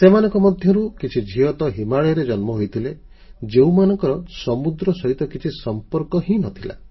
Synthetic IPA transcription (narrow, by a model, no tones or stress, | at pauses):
semanɔŋkɔmɔd̪ʱjɔɾukit͡ʃʰid͡ʒʱiɔt̪ɔɦimaɭeɾed͡ʒɔnmɔɦojt̪ʰile | d͡ʒeumanɔŋkɔɾɔsɔmud̪ɾɔsɔɦit̪ɔkit͡ʃʰisɔmpɔɾkɔɦĩnɔt̪ʰila̰